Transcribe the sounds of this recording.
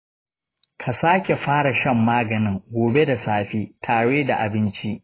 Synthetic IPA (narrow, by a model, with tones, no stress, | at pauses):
kʰa˨saː˦kʲe˨ɸaː˦ɽa˨ʃɐ˦mːaː˦ɡɐ˨nɪ˦ŋɡʷoː˨be˦da˨saː˦ɸiː˦tʰaː˨ɽeː˦da˨ʔa˨bɪ˦nt͡ʃi˦ʔ